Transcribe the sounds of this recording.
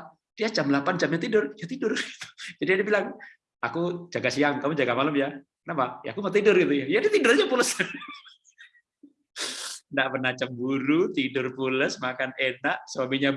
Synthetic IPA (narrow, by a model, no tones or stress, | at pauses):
diat͡ʃamlapant͡ʃamɲat̪idʊrjat̪idʊrɡit̪u̥d͡ʒadiadibilaŋ | akud͡ʒaɡasiaŋkamud͡ʒaɡamalʊmja | napaʔja̰a̰kumat̪idʊrɡit̪ujajadit̪idʊrɲapuləs | ndaʔpənat͡ʃambuɾut̪idʊrpuləsmakanenaʔswamiɲa